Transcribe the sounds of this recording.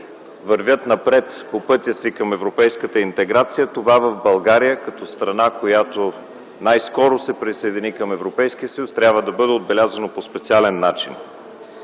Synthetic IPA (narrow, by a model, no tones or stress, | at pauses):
vɐɾvʲət̪nɐpɾɛt̪popɤt̪ʲjəsikɐmɛvɾopɛjskət̪əint̪ɛɡɾat̪sijət̪ovavəvbɐlˠɡaɾijəkɐt̪ɔst̪ɾɐnakojat̪o | najskɔɾosɛpɾisɐɛd̪inikəmɛvɾopɛjsk̟ijəsəjust̪ɾʲabvəd̪ɐbɤd̪ɛod̪̚bɛlʲazɐnopospɛt̪sialɛnːat͡ʃḭn